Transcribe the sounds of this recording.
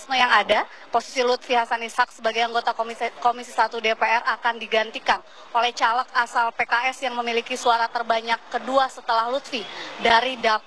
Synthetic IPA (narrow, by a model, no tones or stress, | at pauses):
sməjaŋada | posi̥silut̪̚fiɦasanishak̚səbaɡajaŋɡot̪akomisisat̪udepeɛrakandiɡant̪ikan | ʔolɛht͡ʃalək̚asalpekaʔɛsjaŋməmilikisuaɾat̪ərbaɲakːəduasət̪əlahlut̪̚fidaɾida